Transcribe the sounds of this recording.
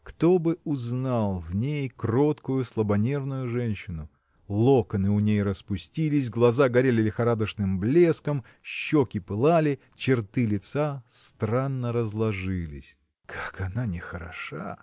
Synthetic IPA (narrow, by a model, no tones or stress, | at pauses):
kt̪o̞bɨʊznalˠvnʲejkro̞t̪kʊjʊslˠəbɐnʲe̞rnʊjʊʐɛnʲɕːɪnʊ | lˠokənɨʊnʲejrəspʊsʲtʲilʲɪsʲɡlˠɐzaɡɐɾʲelʲɪlʲɪxɐɾad̪əʂnɨmblʲe̞skəm | ɕːokʲɪpɨlˠalʲɪ | t͡ɕɪrt̪ɨlʲɪt̪sast̪ɾanːəɾəzlˠɐʐɨlʲɪ̰sʲ | kʰḁkɐnanʲɪxəɾɐ̰ʂa̰